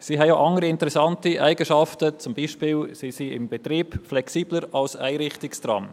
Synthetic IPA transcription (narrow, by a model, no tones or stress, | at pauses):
siːɦɛjaʔɑŋəɾiɪntəɾɛsɑntiʔæɪɡ̥əʃɑftət͡sʊmbiːʃpiːlsisiɪ̰mb̥ɛt̪ɾiːbflɛksiːb̥ləɾɑlsæ̰ɪɾɪχtɪkstrɑ̰m